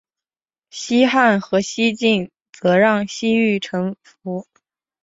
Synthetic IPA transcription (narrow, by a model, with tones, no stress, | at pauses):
ɕi˥xa˥˩nxɤ˧˥ɕi˥t͡ɕi˥˩n | t͡sɤ˧˥ɻɑ˥˩ŋɕi˥y˥˩ʈ͡ʂʰɤ˧˥ŋfu˧˥